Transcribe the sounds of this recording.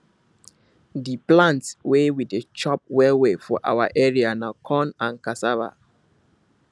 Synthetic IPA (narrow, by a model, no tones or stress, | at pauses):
diplãntswewidet͡ʃɔp̚wɛwefɔʔa̰waʔɛɹianakʰɔ̃nãnkasava̰